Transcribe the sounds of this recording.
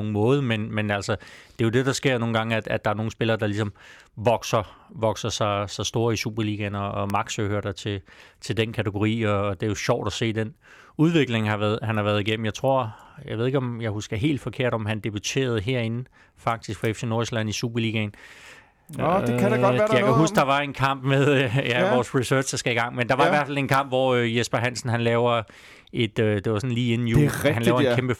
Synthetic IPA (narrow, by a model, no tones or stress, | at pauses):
oŋ̩mɔ̽ːð̩ˠmenmenælsɒd̥e̝jo̝d̥e̝d̥ɑ̈sɡ̥e̝ɐ̰no̝ːŋ̩ɡɑ̈ŋəæ̥æd̥ɑ̈æɐno̝ːŋ̩sb̥e̝lɐːd̥ɑ̈lisɒ̽mʋɒɡ̥sɐʋɒ̽ɡ̥sɐsɑ̈ɪsɑ̈ɪsd̥o̝ːɐisub̥ɐliːɡ̥ænɒ̽ːmɑ̈ɡ̥søhøɐɾɑt͡sʰe̝t͡sʰe̝ld̥enkʰæt͡sʰeɡ̥o̝ʁḭːɒ̽ːd̥e̝æjo̝ɕɒʊ̰d̥ɒse̝̰ːd̥en | uð̞ˠʋe̝ɡ̥le̝ŋhɑ̈ʋðˠɦænhɑ̈ʋæɐð̞ˠiɡ̥em̰m̩jɑɪt͡sʰʁo̝ɐ̰jɑ̈ʋe̝ðˠeɡɒ̽mjɑ̈ɪhusɡ̥ɐɦe̝̰ːld̥fɒ̽kʰe̝ɐ̰ɾ̥ɒ̽mænd̥e̝b̥it͡sʰe̝̰ːɐð̞̩ˠɦe̝ɐ̰e̝nn̩ | fɑ̈ɡ̥̚d̥isɡ̥fɑefse̝no̝ɐislæn̰isub̥ɐliːɡ̥æn | ejɑ̈ɪkʰæɦusɡ̥d̥ɑ̈ʋɑ̈enkʰɑ̈m̰b̥meðˠæʋɒːsʁisø̥ːsd̥ɑsɡ̥æiɡ̥ɑ̈ŋ̰mend̥ɑ̈ʋɑ̈iʋæɐfæle̝nkʰɑ̈m̰b̥ʋɒjesb̥ɐɦæn̰sn̩ɦænlɛːʊɐ | e̝d̥ød̥e̝ʋɑsɒ̽n̩liːe̝nn̩juhænlːʊkemb̥ə